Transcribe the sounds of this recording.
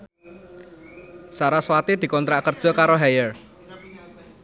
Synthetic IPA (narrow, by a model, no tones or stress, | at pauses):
saɾaswat̪id̪̥i̤kɔnt̪ɾaʔkərd̥ʒ̥ɔ̤kaɾoɦɛjər